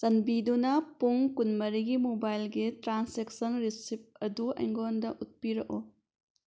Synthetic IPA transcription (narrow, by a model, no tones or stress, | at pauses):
sɐnbidunɐpuŋkunmɐɾiɡimobajlɡitɾanseksɐnɾisip̚ɐduɐ̰jŋɡondɐʔut̚piɾɐko